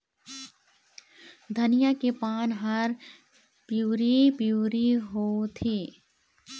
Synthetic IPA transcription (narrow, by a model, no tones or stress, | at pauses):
d̪ʱɐnɪjakepaːnɦɐɾ | pjuːɾipjuːɾiɦoːt̪ʰeː